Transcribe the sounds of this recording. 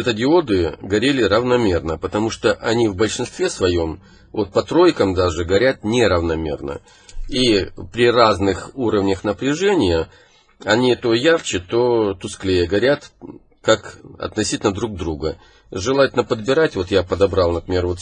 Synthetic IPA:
ɛt̪ədʲɪo̞d̪ɨɡɐɾʲelʲɪɾəvnɐmʲe̞rnəpət̪ɐmuʂt̪oʔɐnʲivbəlʲʂɨnst̪vʲe̞svɐjo̞m | vo̞t̪̚pɐt̪ɾo̞jkəmd̪aʐɨɡɐɾʲat̪̚nʲeɾəvnɐmʲe̞̰rnə̰ | ipɾʲɪraznɨxuɾəvnʲəxnəpɾʲɪʐɛnʲɪjə | ɐnʲit̪o̞jart͡ɕɪt̪o̞t̪ʊsklʲejəɡɐɾʲat̪ | kakɐ̰t̪nɐsʲitʲɪlʲnəd̪ɾuɡ̚d̪ɾuɡə | ʐɨlˠatʲɪlʲnəpəd̪̚bʲɪɾatʲvo̞t̪japəd̪ɐbɾalˠnəpɾʲɪmʲervo̞t̪

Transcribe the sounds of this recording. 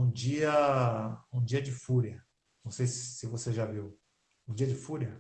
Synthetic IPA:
ũd͡ʒiɐ | ũd͡ʒiɐd͡ʒɪfuɾɐ | nɐ̃w̃sejssɪvoseʒaviw | ũd͡ʒiɐd͡ʒɪfuɾɐ

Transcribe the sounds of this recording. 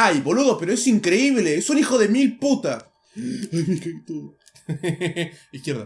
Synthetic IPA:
ajβo̞luðopeɾo̞esiŋkɾeiβ̞leesunixo̞ðe̞milput̪a | ajmikat̪o | ihkjeɾða

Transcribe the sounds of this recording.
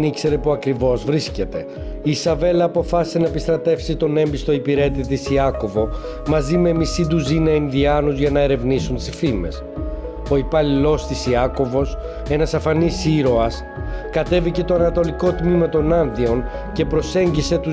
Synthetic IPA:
nikse̞ɾe̞puɐkɾivo̞zvɾisce̞t̪e̞ | iːsɐve̞lɐːpo̞fɐsi̥se̞nɐepist̪ɾɐt̪e̞fsit̪o̞ne̞mbist̪o̞ipiɾe̞t̪it̪et̪isiɐko̞vo̞ | mɐzime̞misid̪uzinɐinðiɐnuzʝɐnɐeɾe̞vnisunt̪sifime̞̰s | o̞ipɐlilo̞st̪isiɐko̞vo̞s | e̞nɐsɐfɐnisiɾo̞ɐs | kɐt̪e̞vice̞t̪o̞ɐnɐt̪o̞liko̞t̪mimɐt̪o̞nɐnðio̞n | ce̞pɾo̞se̞ɲɟise̞t̪u

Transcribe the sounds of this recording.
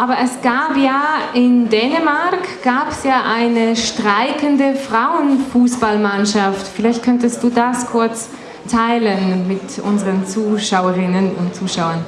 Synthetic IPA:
ʔaːbɐʔɛsɡ̥aːpjaːɪndɛːnəmaɐkɡ̥aːpɛsjaːʔaɪnəʃtʁ̥aɪkəndəfʁ̥aʊənfuːsb̥almanʃaftfɪlaɪçt̚kʰœntəstd̥uːdaskʰʊɐt͡s | tʰaɪlənmɪtʔʊ̰nzəʁənt͡suːʃaʊəʁɪnənʊ̰ntt͡suːʃaʊɐn

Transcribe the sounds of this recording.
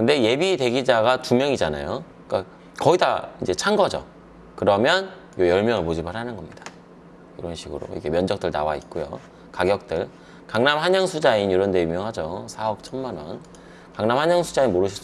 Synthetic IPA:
kɯnde̞je̞bite̞ɡid͡ʑaɡatumjʌŋid͡ʑana̰jo | k͈a | kʌidaind͡ʑe̞t͡ɕʰaŋɡʌd͡ʑo̰ | kɯɾʌmjʌn | jojʌɭmjʌŋɯɭpod͡ʑibaɾɦanɯnɡʌmɲid̥ḁ | jiɾʌnɕʰiɡɯɾo̰ḭɡe̞mjʌnd͡ʑʌk̚t͈ɯɭnawait̚k͈ojo̰ | kaɡjʌk̚t͈ɯɭ | kaŋnamhaɲʌŋsʰud͡ʑainiɾʌndeumjʌŋɦad͡ʑosʰaʌk̚t͡ɕʰʌnmanʌn | kaŋnamhaɲʌŋsʰud͡ʑainmoɾɯɕʰi̥t͡ɕ

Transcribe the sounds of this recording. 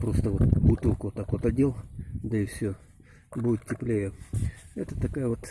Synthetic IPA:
pɾost̪əʋot̪but̪ɨlˠkot̪akot̪ɐdʲelˠd̪ɐɪfsʲo | bujɪt̪tʲɪplʲejəɛ̰t̪ət̪ɐkajəʋot̪

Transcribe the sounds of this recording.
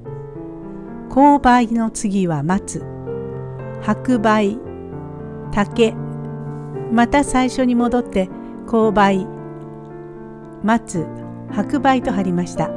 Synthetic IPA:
kʰo̞ːbaino̞t͡sɨɡʲiβamat͡sɨ | hakɯ̟bai | t̪ake̞ | mat̪asaiɕo̞ɲ̟imo̞d̪o̞t̪ːe̞ | ko̞ːbai | mat͡sɨ | hakɯ̟bait̪o̞ɦaɾʲimaɕi̥t̪a

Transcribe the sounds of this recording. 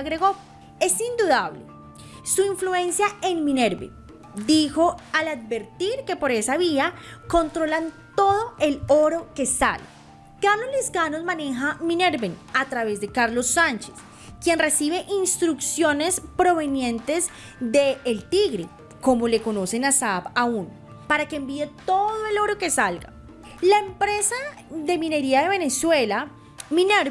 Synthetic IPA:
aɣɾe̞ɣo̞ | e̞sind̪uðaβlḛ | suiɱflue̞nsjae̞nmĩne̞ɾbḛn | d̪ixo̞alaðbe̞ɾt̪iɾke̞po̞ɾe̞saβiako̞nt̪ɾo̞lant̪o̞ðoe̞lo̞ɾo̞ke̞sa̰le | kaloleskanozmane̞xamine̞ɾbenat̪ɾaβe̞zd̪e̞kaɾlo̞sːant͡ʃes | kje̞nre̞siβe̞ʔinst̪ɾuksjo̞ne̞spɾo̞βe̞njẽ̞nt̪e̞z | d̪e̞ːlt̪iɣɾe | ko̞mo̞le̞ko̞no̞se̞nasapaun | paɾakeeːmbie̞t̪o̞ðoe̞lo̞ɾo̞ke̞salɡa̰ | laempɾe̞sa | ðe̞mine̞ɾiaðe̞β̞ene̞swe̞la | mineɾ

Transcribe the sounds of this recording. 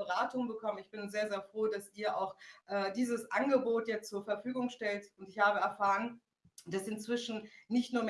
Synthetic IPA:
əʁaːtʊŋbəkʰɔmənɪçb̥ɪnzeːɐzeːɐfʁ̥oːdasʔiːɐʔaʊxʔɛːdiːzəsʔanɡəboːtjɛt͡stt͡suːɐfɛɐfyːɡʊŋʃtɛltʊntɪçhaːbəɛɐfaːʁən | d̥asɪnt͡sv̥ɪʃn̩nɪçtnuːɐm

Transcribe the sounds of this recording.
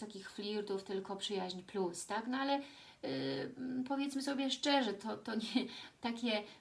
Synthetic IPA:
ɔkʲixflʲiɾd̪uft̪ɘlkɔpʂɘjaʑɲplust̪aknɔalɛ | pɔvʲjɛt̪smɘsɔbʲjɛʂt͡ʂɛʐɛt̪ʰɔt̪ɔɲɛt̪akʲɛ

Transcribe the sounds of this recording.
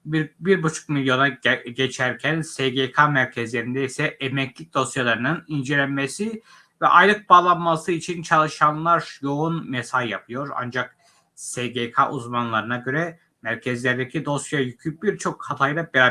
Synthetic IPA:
bbiɾbut͡ʃʰu̥k̚milʲjo̞naɟet͡ʃʰæɾcʰænseɡekʰamæɾcʰɛzlʲeɾind̪ɛisɛʔɛmɛcʰlʲic̚ʲd̪o̞sjalˠaɾɯnɯnind͡ʒelʲænmesi | vɛ̰ʔa̰jlˠɯk̚baːlˠanmasɯit͡ʃʰint͡ʃʰalˠɯʃanlˠaɾjo̞unmɛsaljapʰɯjo̞ɾa̰nd͡ʒak̚ | seɡekʰaʔuzmanlˠaɾɯnaɟø̞ɾɛ | mæɾcʰɛzlʲæɾd̪ɛcʰid̪o̞sjajycʰyybiɾt͡ʃʰo̞khat̪ʰajd̪abɛɾa

